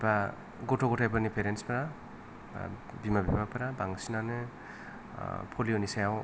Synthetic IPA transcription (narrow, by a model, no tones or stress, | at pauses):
pa | ɡotʰoɡotʰajpanipeɾenspaɾa̰ | bimabimapaɾabaŋsinanɯ | pʰolionisajaw